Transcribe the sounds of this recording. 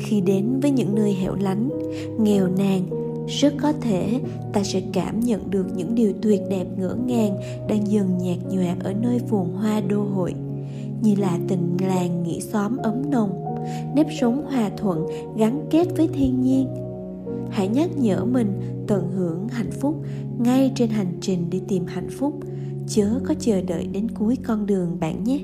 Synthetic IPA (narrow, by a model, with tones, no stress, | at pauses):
xi˧ɗe˨˦nvəː˨˦jɲɨ̰˧˥ŋːə˧əjɦɛ̰˧˨wla˨˦jŋ̟ | ŋɛ˨˩wnaː˨˩ŋ | z̥ə˦˥t̚kɔ˨˦t̪ʰe˧˩ | t̪aː˧sɛ̰˧˥ka̰ː˧˩mɲə̰˧˨nɗɨ˨˩ək̚ɲɨ̰˧˥ŋɗi˨˩əwt̪wi˨˩ət̚ɗɛ˨˩p̚ŋɨ̰˧˥əŋaː˨˩ŋ | ɗaː˧ŋzɨ˨˩ŋɲɛ˨˩k̚ɲwa̰ː˨˩ʔəː˧˩nəː˧jfu˨˩əŋɦwaː˧ɗo˧ɦo̰˧˨j | ɲɨ˧laː˨˩t̪ï˨˩ŋ̟laː˨˩ŋːḭ˧˥sɔ˨˦mʔə˨˦mnə˨˩wŋ͡m | ne˦˥p̚sə˨˦ŋ͡mhwaː˨˩t̪ʰwə̰˧˨n | ɣa˨˦nke˦˥t̚vəː˨˦jt̪ʰi˧ənɲi˧ən | ha̰ː˧˩jɲə˦˥t̚ɲə̰ː˧˩mï˨˩ŋ̟ | t̪wə˧˩nɦɨ˧˩əŋɦa̰˧˨jŋ̟fʊ˦˥k͡p̚ | ŋa˧jt͡ɕe˧nɦa˨˩jŋ̟t͡ɕï˨˩ŋ̟ɗe˧˩t̪i˨˩mha̰˧˨jŋ̟fʊ˦˥k͡p̚ | t͡ɕəː˨˦kɔ˨˦t͡ɕəː˨˩ɗə̰ː˧˨jɗe˨˦nku˨˦jkɔ˧nɗɨ˨˩əŋɓa̰ː˧˨nɲa˦˥